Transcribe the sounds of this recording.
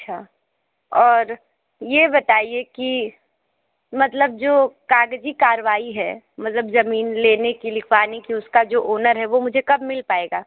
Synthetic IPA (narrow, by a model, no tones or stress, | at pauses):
ɐtːʃʰaː | ɔːɾ | jebɐt̪aːieki | mɐt̪ləb̚d͡ʒoːkaːɡd͡ʒikaːɾʋaːiɦɛ̰ː | mɐt̪ləbzɐmiːnleːnekilɪkʰʋaːnikiʊskad͡ʒoːʔoːnəɾɦɛʋomʊd͡ʒʱekɐbmɪlpaːeːɡaː